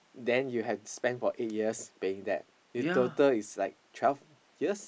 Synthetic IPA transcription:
dɛ̃njuɦɛfspɛ̃nfɔʔet̚jiəspeɪ̃ŋdɛ̰t̚ | jutotəlislaɪk̚tʰwɛlf | jiəs

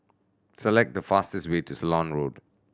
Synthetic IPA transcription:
səlɛk̚t̚d̪əfastɛstwetusəlɔ̃nɹod

